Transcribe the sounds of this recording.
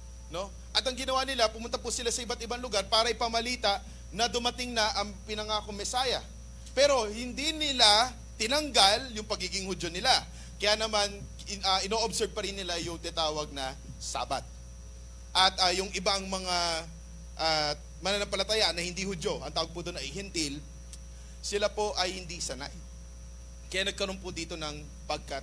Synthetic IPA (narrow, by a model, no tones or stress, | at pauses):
no̞ | ʔɐt̪ɐŋɡɪnɐwanɪlapʊmʊnt̪apʊsɪlasɐʔɪbat̪̚ɪbaŋlʊɡaɾpaːɾɐʔɪpɐmɐliːt̪ɐʔ | nɐd̪ʊmɐt̪ɪŋnɐʔɐŋpɪnɐŋakoŋmːɛsaːjɐ̰ | pɛɾo̞hɪnd̪inɪla | t̪ɪnɐŋɡaljʊŋpɐɡiːɡɪŋhʊdd͡ʒonɪla | kɐjaːnɐman | ɐʔɪnoːʔobsɛb̚pɐɾɪnːɪlajʊŋt̪ɛt̪aːwɐɡ̚nɐ | sa̰ːbɐ̰t̪̚ | ʔɐt̪̚ɐjʊŋʔɪbaŋmɐŋa | ʔaː | mɐnɐnɐpɐlɐt̪ajaʔnɐhɪnd̪ihʊd͡ʒo̞ʔɐŋt̪aːwɐɡ̚pʊd̪onɐʔɪɦɛnt̪il | sɪlapo̞ʔɐjhɪnd̪isɐna̰j | kɐjaːnɐɡ̚kɐɾo̞npʊd̪iːt̪o̞nɐŋ | pɐɡ̚kat̪̚